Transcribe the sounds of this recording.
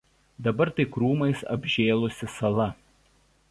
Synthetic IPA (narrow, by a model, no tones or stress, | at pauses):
d̪ɐbɐɾt̪ɐɪkɾuːmɐɪsɐ̰bʲʒʲeːlˠʊsʲɪsɐlˠɐ